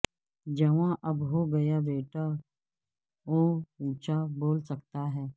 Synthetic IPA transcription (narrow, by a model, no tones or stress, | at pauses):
d͡ʒɐʋãʔɐbɦoɡɐjabeːʈa | oːiːt͡ʃaboːlsɐkt̪aɦɛː